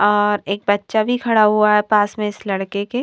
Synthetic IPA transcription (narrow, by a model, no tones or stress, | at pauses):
ɔːɾeːk̚bɐtːʃabʱikʰɐɽaɦuaɦɛpaːsmẽɪslɐɽkeke